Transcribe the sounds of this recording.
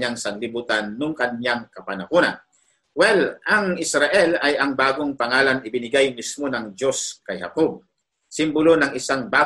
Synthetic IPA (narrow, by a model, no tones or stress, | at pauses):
aŋsɐŋlɪbuːt̪anːʊŋkɐnjaŋkɐpanakona̰ | wɛlɐŋɪsɾaʔɛlajɐŋbaːɡoŋpɐŋaːlanɪbɪnɪɡajmismo̞nɐŋd͡ʒo̞skajhɐ̰kob̚ | sɪmbʊlonɐŋɪsaŋbaː